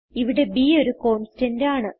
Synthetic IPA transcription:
iʋiɽe̞biːo̞ɾuko̞ːɳstɐndaːɳɨ

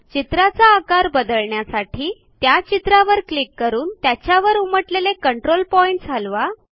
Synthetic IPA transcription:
t͡ɕit̪ɾat͡saːkaɾbəd̪əɭɳjasaʈʰiː | t̪jat͡ɕit̪ɾaʋəɾklikːəɾuːnt̪jat͡ɕjaʋəɾuməʈlelekəɳʈɾolpɔiɳʈ̚d͡zʱalʋa

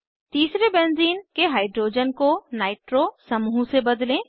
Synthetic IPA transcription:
t̪iːsɾebɛ̃ːnziːnkeɦaːɪɖɾoːd͡ʒənkonaːɪʈɾosɐmuːsebɐd̪lẽː

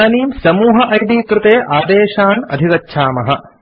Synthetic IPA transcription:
niːmsɐmuːɦɐʔɐjd̪iːkɾɪt̪eːʔaːd̪eːʃaːnɐ̰d̪ʱiʋɐtːʃʰaːmɐɦɐ

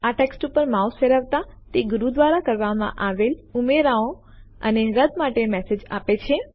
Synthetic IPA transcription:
aʈeksʈupəɾmausfeɾəʋt̪at̪eɡuɾud̪ʋaɾakəɾʋamã̰ʔaʋelumeɾaõ | ə̰neɾəd̪maʈemɛsed͡ʒa̰pet͡ʃʰe

